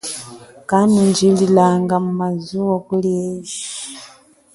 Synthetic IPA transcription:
kanuɲd͡ʒililaŋɡamumazuwɔkuljɛzi

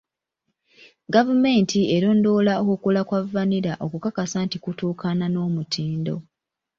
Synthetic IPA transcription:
ɡavume̞ːntie̞ɾoːndo̞ːlaokukulakwavaniɾaʔo̞kukakasaːntikutuːkʰanano̞ːmutʰiːndo̞̰

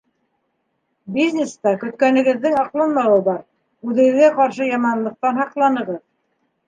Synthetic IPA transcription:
bizʲnʲest̪ɑkɵ̆t̪kænɘ̆ɡɘ̆ðːɘŋɑqlˠɤnmɑwɤbɑɾ | ʉðɘ̆ɡɘ̆ðɡæqɑɾʃɤjɑmɑnlˠɤ̆q̚t̪ɑnɦɑqlˠɑnɤ̆ʁɤð

